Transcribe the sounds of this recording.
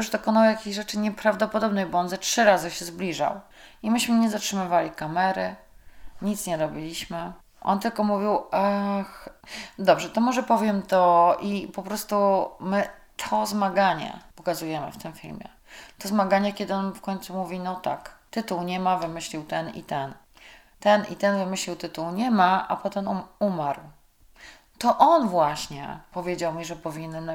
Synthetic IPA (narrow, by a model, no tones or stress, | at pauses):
uʐd̪ɔkɔnawjakʲeʑʐɛt͡ʂɘɲɛpɾavd̪ɔpɔd̪ɔbnɛjbɔɔnzatʂɘɾazɘɕɛzblʲiʐa̰wimɘɕmɘɲɛzatʂɘmɘvalʲikamɛɾɘ | ɲit̪sɲɛɾɔbʲilʲiɕmɘ | ʔɔ̰nt̪ɘlkɔmuvʲiwaxd̪ɔbʐɛt̪ɔmɔʐɛpɔvʲjɛmt̪ɔʔipɔpɾɔst̪umɘ | t̪ʰɔzmaɡaɲɛ̰pɔkazujɛmɘ̰ft̪ɘmfʲḭlmʲjɛ̰ | t̪ɔzmaɡaɲɛkʲɛd̪ɘɔnfkɔɲt̪sumuvʲinɔt̪akt̪ɘt̪uwɲɛmavɘmɘɕlʲiwt̪ɛnḭt̪ɛn | t̪ɛnḭt̪ɛnvɘmɘɕlʲiwt̪ɘt̪uwɲɛmaʔa̰pɔt̪ɛmuumaɾw | t̪ɔʔɔnvwaɕɲɛ̰pɔvʲjed͡ʑawmʲiʐɛpɔvʲinn